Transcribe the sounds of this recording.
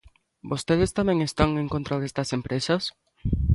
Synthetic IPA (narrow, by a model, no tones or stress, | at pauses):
bost̪eð̞est̪amẽŋest̪aŋẽŋkont̪ɾaðest̪ɐsempɾesɐs